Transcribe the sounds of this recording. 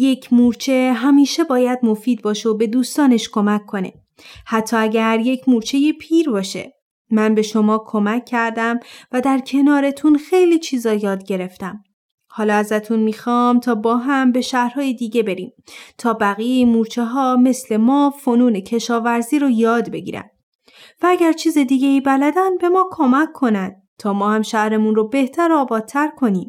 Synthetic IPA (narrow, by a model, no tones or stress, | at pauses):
je̞cʰmuɾt͡ʃʰe̞ɦæmiːʃe̞bɒːjæd̪mo̞fiːd̪̚bɒːʃeobe̞d̪uːst̪ɒːne̞ʃkʰo̞mækʰːo̞ne̞̰ | hæt̪ʰːɒːæɟæɾje̞cʰmuɾt͡ʃʰe̞jepʰiːɾbɒːʃe̞̰ | mænbe̞ʃo̞mɒːkʰo̞mæcʰːæɾd̪æmvæd̪æɾcʰe̞nɒːɾe̞t̪ʰunxe̞jliːt͡ʃʰiːzɒːjɒːd̪ɟe̞ɾe̞ft̪æm | hɒːlɒːæzæt̪ʰunmiːxɒmt̪ʰɒːbɒːɦæmbe̞ʃæhɾhɒːjed̪iːɟe̞be̞ɾiːmt̪ʰɒːbæɣijeimuːɾt͡ʃʰeɦɒːme̞sle̞mɒːfonuːne̞cʰe̞ʃɒːvæɾziːɾojɒːd̪be̞ɟḭːɾæ̰n | vææɟæɾt͡ʃʰiːzed̪iːɟeiːbælæd̪ænbe̞mɒːkʰo̞mækʰːo̞nænd̪̥̚ | t̪ʰɒːmɒːhæmʃæhɾe̞munrobe̞ht̪ʰæɾɒːbɒːd̪̚t̪ʰːæɾkʰo̞niːm